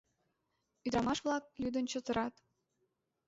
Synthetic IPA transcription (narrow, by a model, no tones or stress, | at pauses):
yd̪ɾɑmɑʃvlˠɑk̚lyd̪ə̆nt͡ɕət̪ɤ̆ɾɑt̪